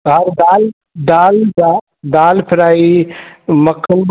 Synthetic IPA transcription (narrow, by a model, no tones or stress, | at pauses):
ɦɐɾd̪al | d̪aːlda | d̪aːlpʰɪɾaːi | məkʰːənb